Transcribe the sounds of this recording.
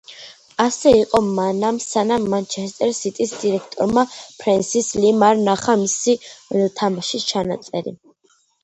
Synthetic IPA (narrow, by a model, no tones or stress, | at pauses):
asɛiqʼɔmanamsanamːant͡ʃʰɛst̪ʼɛɾsit̪ʼisd̪iɾɛk̚ʰt̪ʼɔɾmapʰɾɛnsislimaɾnaχamisit̪ʰamaʃit͡ʃʰanat̪sʼɛɾḭ